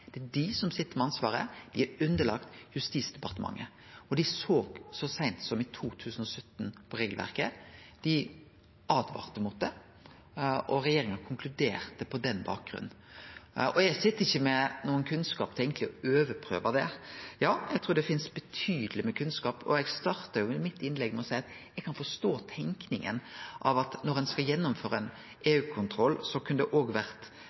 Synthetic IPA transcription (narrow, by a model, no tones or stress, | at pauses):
d̪̥ɛd̪ɪsɔmsɪt̪ːəɾmɛɑnsʋɑːɾə̰d̪̥ɪæʉnd̪əɭɑkt̪jʉst̪iːsd̪̥ɛpɑɾt̪əmɑ̰ŋːə̰ | ɔɖ̪ɪsoːɡsɔsæɪnt̪sɔmɪt̪ʰuːt̪ʰʉːsn̩ɔsœt̪ːnpʰɔɾeːɡlʋæ̰ɾkəd̪̥ɪ | ɑːd̪ʋɑ̰ːʁt̪əmut̪̚d̪ɛ | ɔɾɛjeːɾɪŋɑkʰʊŋkʰlʉd̪eːɾt̪əpʰɔd̪ɛnbɑ̰ːk̚ɡɾʉ̰nːn̩ | ʔɔɛɡsɪt̪ːəɪçːəmɛnuːənkʰʉnskɑːpt̪ʰɛɪɡənt̪lɪɔøːʋəɾpʰɾø̰ːʋɑd̪ɛjɑːjɛɡt̪ɾuːɖ̪ɛfɪnsbɛt̪ʰyːd̪əlɪməkʰʉnskɑːpɔ̰ɛɡst̪ɑɾt̪ɑɾjʊɪmɪt̪ːɪnlɛɡmɛɔsæɪɑt̪ | jɛɡkʰɑnfɔst̪oːt̪ʰɛŋknɪŋə̰nʔɑ̰ʋɑt̪nɔɾɛnskɑjɛnːʊmføːɾəɛn | eːʉːkʰʊnt̪ʰɾɔlːsɔkʰʉnd̪ɛʔoːɡʋæɾt̪